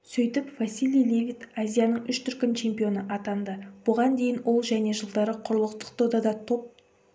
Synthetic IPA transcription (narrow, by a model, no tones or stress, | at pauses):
sɵjt̪ɪpvasilijlevʲit̪azʲijanəɴʏʃt̪ʰʏɾkʲɪnt͡ʃʰe̞mpijo̞nəʔɑt̪ɑnd̪əb̥ʊʁɑnd̪e̞jɪnwʔo̞lˠʒæne̞ʒəlˠd̪ɑɾəqʰʊɾəlˠəqt̪ə̥qt̪ʰod̪ɑd̪ɑt̪ʰo̞p̚